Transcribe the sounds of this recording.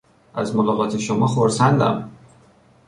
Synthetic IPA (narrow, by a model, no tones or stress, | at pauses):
ʔæ̰zmolɒːɣɒːt̪ʰe̞ʃomɒːxoɾsænd̪æ̰m